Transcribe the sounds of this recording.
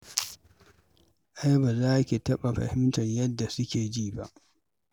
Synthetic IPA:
ʔa˦jbaː˨zaː˦kʲi˨tɐ˦ɓa˨ɸɐ̰˨hɪ˦mtɐ˨ɲjɐ˦dːa˨sʊ˦kʲeː˨d͡ʒiː˦ba˦ʔ

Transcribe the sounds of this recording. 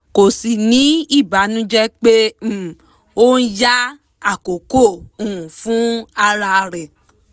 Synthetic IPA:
ko˨si˨nĩ˨˦i˦˨ba˨˦nũ˦d͡ʒɛ˦k͡pe˦˨ | o˦n̩˦ja˦ | a˦˨ko˨ko˦˨ũ˨ũ˨fũ˨˦a˧ɾa˧ɾɛ˨

